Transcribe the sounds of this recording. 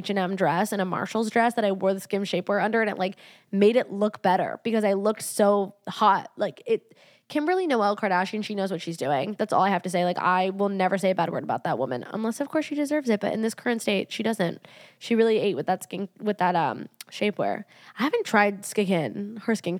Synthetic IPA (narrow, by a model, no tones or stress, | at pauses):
t͡ʃɨ̃nɛ̃mdɹɛsɨ̃ñəmɑ̰ɹʃl̩ˠzdɹɛsðɨɾaɪwɜ˞ð̥skɪ̃mʃeɪpwɛɹʌ̃ndə˞ɨɾɨ̰̃nlaɪk | meɪɾɨtˡlʊkb̥ɛɾə̰˞b̥ɨkʌzaɪlʊksoʊhɑt̚laɪkɪt̚ʰ | ɨ̃nɹɪlˠinoʊɛl̚ˠkʰɑɹɾæʃiɨ̃nʃinoʊzwʌtʃizdʉɪ̃ŋðætsɔ̰lˠaɪhæftɨs̬eɪlaɪka̰ɪwɪlˠnɛvə˞seɪɨbæd̚wɜ̰˞ɾəbaʊt̪̚ðət̚wʊ̰̃mɨ̰̃nə̰̃nlɛsʌv̥kʰɔɹsʃidɨzɜ˞vzɨt̚b̥ʌ̰ɾʔɨ̰̃nðɪskʰɜ˞ɨ̃ntsteɪtʃidʌzɨ̃nt̚ʃiɹɪlˠieɪʔ̚wɨðətskɪ̃nwɨðətʌ̰̃mʃeɪpwɛ̰ɹ | aɪhævɨ̃ntʰɹ̥aɪd̚skɪkɪ̃nhə˞skɪ̃n